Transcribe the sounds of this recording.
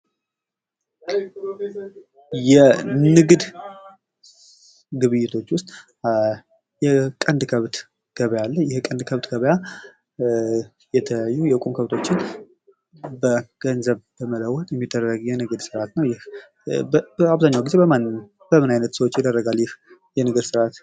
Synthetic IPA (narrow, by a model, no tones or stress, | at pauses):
jɛnɨɡd̪ | ɡɨβɨjːɪt̪ʰo̞t͡ʃːwʊst̪ʼ | jɛkʼənd̪kʰəβt̪ | ɡ̥əβəjalːəjɛhkʼənd̪kʰəβt̪ɡəβəja | jɛt̪ʰəəjajːujɛkʼumkʰəβt̪ʰo̞t͡ʃːɪn | bəɡ̥ənzəβbəmələwːɔt̪ʼjɛmːid̪ːərəɡjɛnɨɡd̪sɨɾat̪nəwjɪh | bbəaβzaɲːawɡize̞bəmn | bəmɨnajnət̪səwot͡ʃːjɛd̪ərːəɡaljɪhjɛnɨɡɨd̪sɨɾat̪